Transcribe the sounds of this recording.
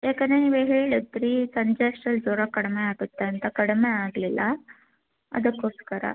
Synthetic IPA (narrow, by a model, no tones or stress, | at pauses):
jaːkɐneniːʋeɦeːɭut̪ːɾisɐɲd͡ʒesʈɐld͡ʒoːɾɐkɐɽmeaːɡut̪ːeɐnt̪ɐkɐɽmeaːɡlilːɐ | ɐ̰d̪ɐkːoːskɐɾɐ̰